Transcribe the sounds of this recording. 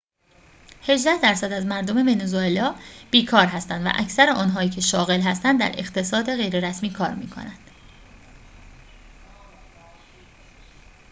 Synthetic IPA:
he̞ʒd̪æhd̪æɾsæd̪æzmæɾd̪o̞me̞ve̞nozoelɒːb̥iːkʰɒːɾɦæst̪ænd̪væ̰ʔæ̰cʰsæɾeʔɒːnɦɒːiːcʰe̞ʃɒːɣe̞lɦæst̪ænd̪d̪æ̰ɾe̞̰χt̪ʰe̞sɒːd̪e̞ɣe̞jɾe̞ɾæsmiːkʰɒːɾmḭːkʰo̞̰næ̰nd̪̥

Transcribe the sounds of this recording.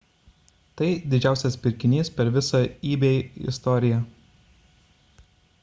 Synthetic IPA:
t̪ɐɪd̪ʲɪd͡ʒʲæˑʊsʲɛspʲɪɾʲkʲɪnʲiːspʲɛɾʋʲɪsoːiːbʲeɪ̰st̪ɔɾʲɪjɛ

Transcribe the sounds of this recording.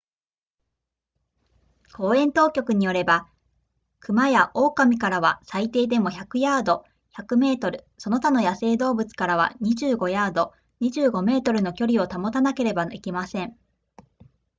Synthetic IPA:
kʰo̞ːẽ̞nt̪o̞ːkʲo̞kɯ̟ɲ̟ijo̞ɾe̞ba | kɯ̟majaʔo̞ːkamʲikaɾaβa̰sait̪e̞ːd̪e̞mo̞çakɯ̟jaːd̪o̞ | çakɯ̟me̞ːt̪o̞ɾɯ̟so̞no̞t̪ano̞jase̞ːd̪o̞ːbɯ̟t͡sɨ̥kaɾaβa̰ɲ̟iʑɨːɡo̞jaːd̪o̞ | ɲ̟iʑɨːɡo̞me̞ːt̪o̞ɾɯ̟no̞kʲo̞ɾʲio̞t̪amo̞t̪anake̞ɾe̞baikʲimasẽ̞ɴ

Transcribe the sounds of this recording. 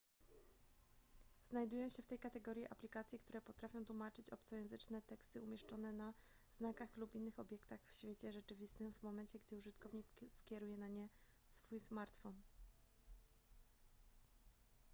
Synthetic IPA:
znajd̪ujɔ̃w̃ɕɛft̪ɛjkat̪ɛɡɔɾʲjiʔa̰plʲikat̪sʲjɛkt̪uɾɛpɔt̪ɾafʲjɔ̃t̪wumat͡ʂɘt͡ɕɔpt̪sɔjɛ̃w̃zɘt͡ʂnɛt̪ɛkst̪ɘumʲjɛʂt͡ʂɔnɛna | znakaxlupinːɘxɔbʲjɛkt̪axfɕfʲjet͡ɕɛʐɛt͡ʂɘvʲist̪ɘmvmɔmɛnt͡ɕɛɡd̪ɘuʐɘt̪kɔvɲikskʲɛɾujɛnaɲɛ | sfujsmaɾt̪fɔn

